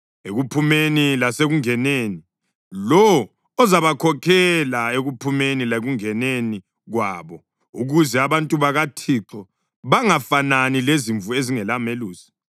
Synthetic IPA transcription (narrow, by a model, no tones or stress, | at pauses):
eɣupʰumenilaseɣuŋɛneːni | lɔwɔ | ɔzaβakʰɔkʰɛlaeɣupʰumenileɣuŋɛneni | ɣwaːβɔ | uɣuzɛaβantʼuβaɣatʰiǁʰɔ | βaŋafananileziɱvueziŋɛlameluːsi̥